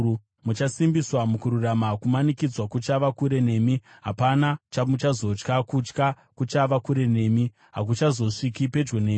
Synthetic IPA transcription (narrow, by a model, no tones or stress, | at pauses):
mut͡ʃasimbiswamukuɾuramakumanikid͡zwakut͡ʃaʋakuɾe̞ne̞ːmiɦapanat͡ʃamut͡ʃazo̞t͡ʃkakut͡ʃka | kut͡ʃaʋakuɾe̞ne̞ːmi | ɦak̬ut͡ʃazo̞ʂikipe̞d͡ʒɡoneː